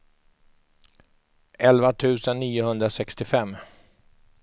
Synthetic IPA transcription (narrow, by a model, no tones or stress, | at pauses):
ʔɛlvat̪ʰʉ̟ːsənːiːʊhɵnd̪ɾasɛkst̪ɪfɛmː